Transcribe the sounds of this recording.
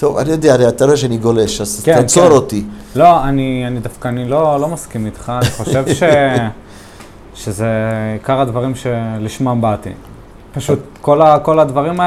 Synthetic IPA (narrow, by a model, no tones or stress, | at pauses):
t̪o̞va̰nijo̞d̪eaaɾejat̪aɾoeʃ̬eaniɡo̞le̞ʃazkeat͡soɾot̪ilo̞anianid̪afkaːnilo̞lo̞maskimit̪χaːniχo̞ʃe̞vʃe̞ | ʃeze̞ikaʁad̪vaʁimʃe̞liʃmambat̪ḭ | paʃut̪ko̞lako̞lad̪vaʁima